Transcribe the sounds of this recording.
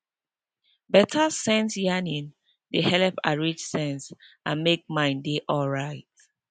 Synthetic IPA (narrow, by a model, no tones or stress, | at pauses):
bɛtʰasɛ̃nsjanĩn | dehɛlpaɹit͡ʃsɛ̃ns | ãnmek̚mãɪ̃ndeʔɔlɹaɪt̚